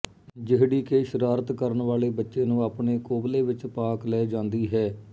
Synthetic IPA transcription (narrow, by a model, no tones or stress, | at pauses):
d͡ʒɪɦɽiːkeːʃəɾaːɾət̪kəɾənʋaːleːbətːʃeːnũːaːpɳeːkoːbleːʋɪt͡ʃpaːklɛːd͡ʒãːnd̪iːɦɛː